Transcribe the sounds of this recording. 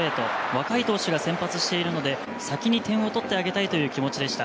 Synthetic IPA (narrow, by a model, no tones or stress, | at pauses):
e̞ːt̪o̞̰βakait̪o̞ːɕiɡasẽ̞mpat͡sɨɕi̥t̪e̞iɾɯ̟no̞d̪e̞ | sakʲiɲ̟it̪ẽ̞ɰ̃o̞t̪o̞t̪ːe̞aɡe̞t̪ait̪o̞jɯ̟ːkʲimo̞t͡ɕid̪e̞ɕi̥t̪a